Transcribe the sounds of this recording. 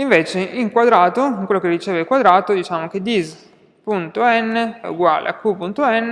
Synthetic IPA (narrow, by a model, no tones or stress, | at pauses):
iɱveːt͡ʃeiŋkwad̪ɾaːt̪oŋkwelːokerit͡ʃeːvakwad̪ɾaːt̪od̪it͡ʃaːmok̟ed̪iz | punt̪oɛnːeṵɡwa̰ːlḛa̰kːupunt̪oɛnː